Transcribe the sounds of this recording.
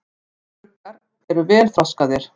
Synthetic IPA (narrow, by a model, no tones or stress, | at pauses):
aɾ | ɛɾʏvɛːlfɾawskaðɪɾ̥